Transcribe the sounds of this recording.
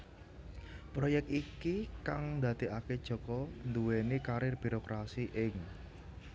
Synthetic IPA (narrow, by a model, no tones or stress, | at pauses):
pɾojɛk̚t̪ikikaŋnd̪a̤t̪iaked̥ʒ̥ɔ̤kɔnd̪uwenikaɾɪrb̥i̤ɾokɾasiʔɪŋ